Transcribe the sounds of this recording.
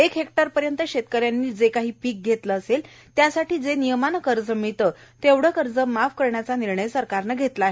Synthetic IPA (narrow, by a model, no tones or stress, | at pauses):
ekɦekʈəɾpəɾjənt̪əɕet̪kəɾjanːiːd͡zekaɦiːpiːk̚ɡʱet̪ləːsel | t̪jasaʈiːd͡zenijəmanəkəɾd͡zəmit̪ət̪eʋɽ̤əkəɾd͡zəmafkəɾɳjat͡saniɾɳəjsəɾkaɾnəɡʱet̪laːɦe